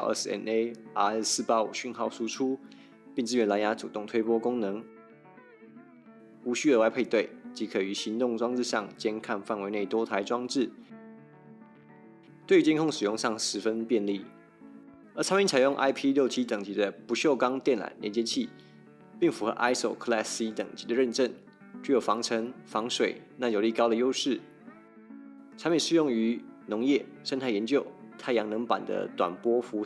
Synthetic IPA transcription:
ʔɛ̰˥˩sɛ̰˧˥ne˥˩a˥˧ɛ˥˩sɹ̩˥˩pa˦˥ṵ˨˩ɕy˥˧nxɑ˥˩ʊʂu˥ʈ͡ʂʰu˥ | pi˥˩ŋt͡sɻ̩˥ɥɛ˧˥nla˧˥nja˧˥t͡sṵ˨˩t̪ʊ˥˨ŋt̪ʰwe˥ɪpwɔ˥kʊ˥ŋnɤ˧˥ŋ | u˧˥ɕy˥d̪ə˨˦wa˥˧ɪpʰe˥˧ɪt̪we˥˩ɪt͡ɕi˧˥kʰɤ˨˩y˧˥ɕi˧˥nt̪ʊ˥˧ŋʈ͡ʂwɑ˥ŋt͡sɻ̩˥˧ɕɑ˥˨ŋt͡ɕjɛ˥nkʰa˥˧nfa˥˩nwe˧˥ɪne˥˩ɪt̪wɔ˥t̪ʰa˧˥ɪʈ͡ʂwɑ˥ŋʈ͡ʂɻ̩˥˩ | t̪we˥˩ɪy˧˥t͡ɕi˥nkʰʊ˥˩ŋʂɻ̩˨˩jʊ˥˧ŋʂɑ˥˩ŋʂɻ̩˧˦˥fə˦npjɛ˥˧nli˥˩ | ə˞˧˥ʈ͡ʂʰa˥mi˧˥nt͡sʰa˨˩ɪjʊ˥˧ŋʔa̰˥ɪpʰi˥ljo˥˧ʊt͡ɕʰi˥t̪ə˨˩ŋt͡ɕi˧˥d̪ə˧pu˧˥ɕjo˥˩ʊkɑ˥ŋt̪jɛ˥˩nla̰˨˩nljɛ̰˧˥nt͡ɕjɛ˥t͡ɕʰi˥˩ | pi˥˩ŋfu˧˥xə̰˧˦ʔa˥ɪso˨˩ʊkʰlɛ˥˩si˧˥t̪ə˨˩ŋt͡ɕi˧˥d̪ə˦ɻə˥˧nʈ͡ʂə˥˩n | t͡ɕy˧˥jo˨˩fɑ˧˥ŋʈ͡ʂʰə˧˥ŋfɑ˧˥ŋʂwe˨˩ɪna˥˩jo˨˩ʊli˥˩kɑ˥ʊd̪ə˨jo˥ʊʂɻ̩˥˩ | t͡sʰa˧˥mjɛ˨˩ʂɻ̩˥˧jʊ˥˩ŋy˧˥nʊ˧˥ŋjɛ˥˩ʂə˥nt̪ʰa˥˩ɪjɛ˧˥nt͡ɕjo˥˩ʊt̪ʰa˥˩ɪjɑ˧˥ŋnɤ˧˥ŋpa̰˨˩nd̪ə̰˦t̪wa̰˨˩npwɔ˥fu˧˥

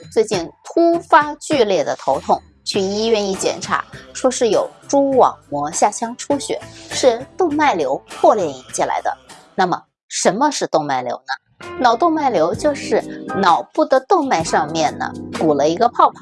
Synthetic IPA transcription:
t͡swe˥˧ɪt͡ɕi˥˩nt̪ʰu˥fa˥t͡ɕy˥˧ljɛ˥˩d̪ə˩t̪ʰo˧˥ʊt̪ʰʊ˥˧ŋ | t͡ɕʰy˥˩i˥ɥɛ˥˧ni˥˩t͡ɕjɛ̰˨˩nʈ͡ʂʰa̰˧˥ʂwɔ˥ʂɻ̩˥˩jo˨˩ʊʈ͡ʂu˥wɑ̰˨˩˦ŋmwɔ˧˥ɕja˥˩t͡ɕʰjɑ˥ŋʈ͡ʂʰu˥ɕɥɛ̰˨˩˦ʂɻ̩˥˧t̪ʊ˥˧ŋma˥˩ɪljo˧˥ʊpʰwɔ˥˧ljɛ˥˩ni˧˥ŋt͡ɕʰi˥˩la̰˧˥ɪd̪ə̰˧na˥˩mə˩ | ʂə˧˥nmə˧ʂɻ̩˥˧t̪ʊ˥˧ŋma˥˩ɪljo̰˧˥ʊnə˧ | nɑ˨˩ʊt̪ʊ˥˧ŋma˥˩ɪljo˧˥ʊt͡ɕjo˥˧ʊʂɻ̩˥˩nɑ˨˩ʊpu˥˩d̪ə˩t̪ʊ˥˧ŋma˥˧ɪʂɑ˥˧ŋmjɛ˥˩nnə̰˩ku˨˩lə˦i˧˥ɡə˧pʰɑ˥˧ʊpʰɑ˨˦

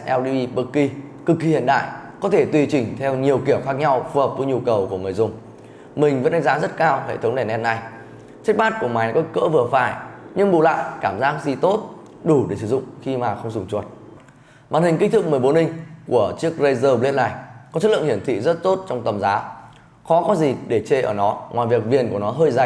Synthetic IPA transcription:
ʔɛ˧wɗi˧i˧ɓə˧kːi˧kɨ˨˩kːi˨˧hḭ˧˨ənɗa̰ː˧˨jkɔ˨˦t̪ʰe˧˩t̪wi˧t͡ɕï˨˩ŋ̟t̪ʰɛ˧wɲi˨˩əwki˧˩əwxaː˦˥k̚ɲa˧wvə˨˩p̚vɨ˨˦ɲu˧kə˨˩wku˧˩əŋɨ˨˩əjzʊ˨˧˩ŋ͡m | mï˨˩ŋ̟və̰˧˥nɗa˨˧˦ŋzaː˨˦zə˦˥t̚kaː˧whḛ˧˨t̪ʰŋ͡mɗɛ˧˩nʔɛ˧nna˧˩j | t͡ɕa˦˥k̟̚maː˦˥t̚ku˧˩əmaː˨˦jn˨˦kɔ˧˦kə̰ː˧˥vɨ˨˩əfaː˧˩jɲɨ˧ŋɓṵ˧˨la̰ː˧˨jkaː˧˩mzaː˦˥k̚zi˨˩t̪o˦˥t̚ | ɗu˧˩ɗe˧˩sɨ̰˧˩zʊ̰˧˨ŋ͡mxi˧maː˨˩xə˧wŋ͡mzʊ˨˩ŋ͡mt͡ɕu˨˩ət̚ | va̰ː˨˩nhï˨˩ŋ̟kï˦˥ŋ̟t̪ʰɨ˦˥k̚mɨ˨˩əjɓo˨˦nhï˧ŋ̟ku˧˩ət͡ɕɨ˦˥ək̚zə˧jzəː˧bli˧ənna˨˩jkɔ˨˦t͡ɕʰə˦˥lɨ̰˧˨hi˧˩ənt̪ʰḭ˧˨zə˦˥t̚t̪o˦˥t̚t͡ɕɔ˧wŋ͡mt̪ə˨˩mzaː˨˦ | xɔ˨˦kɔ˨˦zi˨˩ɗe˧˩t͡ɕe˧ʔəː˧˩nɔ˨˦ŋwa̰ː˨jvi˨˩ək̚vi˨˩ənku˧˩ənɔ˨˦ɦəː˧jza˨˧˩

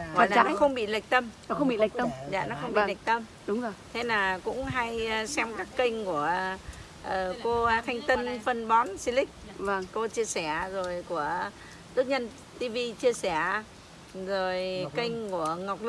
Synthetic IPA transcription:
wa̰˨a˨aː˨˩nɔ˨˦xə˧wŋ͡mɓḭ˧˨la˨˩jk̚t̪ə˧mɔ˨˦xə˧wŋ͡mɓḭ˧˨la˨˩k̚t̪ə˧mza̰ː˧˨nɔ˨˦xə˧wŋ͡mɓḭ˧˨la˨˩jk̚t̪ə˧m | ɗʊ˨˦ŋ͡mzo˨˩jt̪ʰe˨˦naː˨˩kʊ̰˧˥ŋ͡mɦa˧jsɛ˧mkaː˦˥kːə˧ŋ̟ku˧˩ə | ʔəː˨˩ko˧t̪ʰa˧jŋ̟t̪ə˧nfə˧nɓɔ˨˦nsi˧lï˦˥k̚və˧˩ŋko˧t͡ɕi˧əsɛ˧˩zo˨˩jku˧˩ə | t̪ɨ˦˥ək̚ɲə˧n | t̪i˧vi˧t͡ɕi˧əsɛ˧˩˨ | zo˨˩jkə˧jŋ̟ku˧˩əŋa˨˩wk͡p̚lɨ˦˥

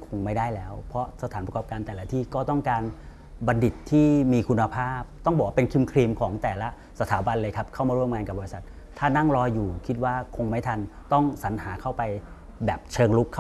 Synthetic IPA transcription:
kʰo˧ŋma˥˩jda˥˩jlɛː˦˥wpʰɾɔ˦˥sa˧t̪ʰaː˩˦npɾkɔː˨˩p̚kaː˧nt̪ɛː˨˩la˦˥t̪ʰiː˥˩kɔː˥˩t̪ɔ˥˩ŋkaː˧n | ba˧ndi˨˩t̪ʰːiː˥˩miː˧kʰu˧nːa˧pʰaː˥˩p̚t̪ɔ˥˩ŋbɔː˨˩wa˥˩pe˧nkʰi˧mkʰɾiː˧mkʰɔː˩˦ŋt̪ɛː˨˩la˦˥ | sa˧t̪ʰaː˨˦ba˧nlɤː˧jkʰa˦˥p̚kʰa˥˩wmaː˧ɾu˥˩əmŋaː˧nka˨˩bɔː˧i˧sa˨˩t̪̚ʰːaː˥˩na˥˩ŋɾɔː˧jːuː˨˩kʰi˦˥t̪̚waː˥˩kʰo˧ŋma˥˩jt̪ʰa˧nt̪ɔ˥˩ŋsa˩˦nɦaː˩˦kʰa˥˩wpa˧j | bɛː˨˩p̚t͡ɕʰɤː˧ŋlu˦˥kʰː

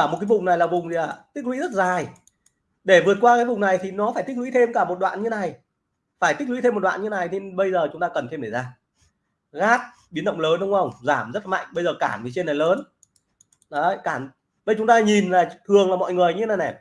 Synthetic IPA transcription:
aː˧˩mo˨˩t̚kaː˨˦jvʊ˨˩ŋ͡mna˨˩jlaː˨˩vʊ˨˩ŋ͡mt̪ʰi˨aː˨˩t̪i˦˥k̚lwḭ˧˥zə˦˥t̚zaː˨˩j | ɗe˧˩vɨ˨˩ət̚kwaː˧kaː˨˦jvʊ˨˩ŋ͡mna˨˩jt̪ʰi˨˩nɔ˨˦faː˧˩jt̪i˦˥k̚lw̰i˧˥t̪ʰe˧mkaː˧˩mo˨˩t̚ɗwa̰ː˧˨nɲɨ˧e˧na˨˩j | faː˧˩jt̪i˦˥k̚wḭ˧˥t̪e˧mː˨˩t̚ɗa̰ː˧˨nɲɨ˧na˨˩jne˧ɓə˧jzəː˨˩t͡ɕʊ˨˦ŋ͡mt̪aː˧kə˨˩nt̪ʰe˧mɗe˧˩zaː˧˩ | ɣaː˦˥t̚ | ɓi˨˦ənɗə̰˧˨wŋ͡mləː˨˦nɗə˨˦wŋ͡mhə˧wŋ͡mzaː˧˩mzə˦˥t̚la˨˩ma̰˧˨jŋ̟ɓə˧jzəː˨˩ka̰ː˧˩nt̪ʰi˨˩t͡ɕe˧na˨˩jləː˨˦n | ɗɔ˨˦˧kaː˧˩n | ɓə˧˨t͡ɕʊ˨˦ŋ͡mt̪aː˧ɲi˨˩nlaː˨˩t̪ʰɨ˨˩əŋlaː˨˩mɔ̰˧˨jŋɨ˨˩əjɲɨ˧e˦na˨˩jnɛ˨˩

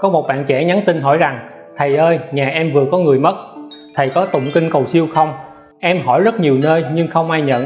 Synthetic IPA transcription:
kɔ˨˦mo˨˩t̚ɓa̰ː˧˨nt͡ɕɛ˧˩ɲa˨˦nt̪ï˧nɦɔ˧˩jza˨˩ŋ | t̪ʰə˨˩jʔəː˧jɲaː˨˩ʔɛ˧mvɨ˨˩əkɔ˨˦ŋɨ˨˩əjmə˦˥t̚t̪ʰə˨˩jkɔ˨˦t̪ʊ̰˧˨ŋ͡mkï˧ŋ̟kə˨˩wsi˧əwxə˧wŋ͡m | ʔɛ˧mɦɔ˧˩jzə˦˥t̚ɲi˨˩wnəː˧jɲɨ˧ŋxə˧wŋ͡mʔaː˧jɲə̰˧˨n

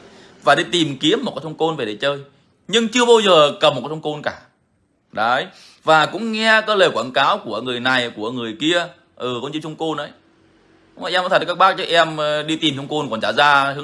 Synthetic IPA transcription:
vaː˨˩ɗi˧˦t̪i˨˩mki˨˦˥əm̚ː˨˩kːjt̪ʰŋ͡mko˧nve˨˩ɗe˨˩t͡ɕəː˧j | ɲɨ˧ŋt͡ɕɨ˧əɓaː˧wzəː˨˩kə˨˩pm̚˨˩kːjtʰŋ͡mko˧nkaː˧˩ | ɗə˨˦j | vaː˨˩kʊ̰˧˥ŋ͡mŋɛ˧kaː˨˦˥ləː˨˩jkwaː˧˩nkaː˨˦wku˧˩əŋɨ˨˩əjna˨˩jku˧˩əŋɨ˨˩əjki˧ə | ʔɨ˨˩kɔ˧˦ŋ͡mt͡ɕi˧t͡ɕʰə˧ŋ͡mko˧nʔə˨˦j | ʔɛ˧m˧˦t̪̚ʰka˦˥k̚ɓaː˦˥k̚t͡ɕːk̚ʔɛ˧mɗi˧t̪i˨˩mt͡ɕʊ˧ŋ͡mko˧nkɔ˨˩nt͡ɕaː˧˩zaː˧ɨ˨˦

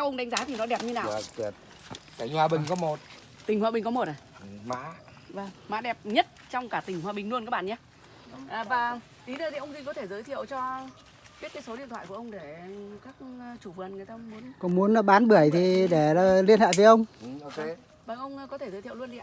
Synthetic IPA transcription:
sʰɛ˧wʔə˧ŋ͡mɗa˨˦ŋ̟zaː˨˦t̪ʰi˨˩nɔ˨˦ɗɛ˨˩p̚ɲɨ˧naː˨˩wt̚ | ka˧˩ŋhwaː˨˩ɓï˨˩ŋ̟kɔ˨˦mo˨˩t̚ | t̪i˨˩hwa̰ː˧˨ɓï˨˩ŋ̟kɔ˨˦mo˨˩t̚aː˨˩ma̰ː˧˥ | və˧˩ŋma̰ː˧˥ɗɛ˨˩p̚ɲə˦˥t̚t͡ɕɔ˧wŋ͡mkaː˧˩t̪ï˨˩ŋ̟hwaː˨˩ɓï˨˩ŋ̟lu˧ənkaː˦˥ɓ̰a̰ː˧˨ɲaː˧˦ | ʔːvaː˨˩ | ʔi˨˦ɗəː˧˩t̪ʰi˨˩ʔə˧wŋ͡mzï˧ŋkɔ˨˦t̪ʰe˧˩zəː˨˦jt̪ʰḭ˧˨ə˨wt͡ɕɔ˧ | ɓi˦˥t̚kaː˨˦jso˨˦ɗḭ˧ənt̪ʰw̰ːkʔwŋ͡mɗe˧˩kaː˦˥k̚ːt͡ɕu˧˩vɨ˨˩ənŋɨ˨˩əjt̪aː˧mu˨˦ənkɔ˧˨˦mu˨˦ən˨˦ɓaː˨˦nɓɨ˧˩əjt̪ʰi˨˩ɗe˧˩ə˨˩li˧ənha̰ː˧˨jvəː˨˦jʔə˧wŋ͡mk | vəː˨˩ʔə˧wŋ͡mkɔ˨˦t̪ʰe˧˩zə˨˦t̪ʰi˧˨lu˧ənɗḭ˧˨

